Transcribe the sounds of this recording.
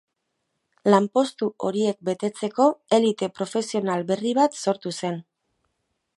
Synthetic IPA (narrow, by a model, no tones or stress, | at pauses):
lampo̞st̪uo̞ɾie̞k̚be̞t̪e̞t͡se̞ko̞e̞lit̪e̞pɾo̞fe̞sio̞nalbe̞riβat̪so̞ɾt̪use̞n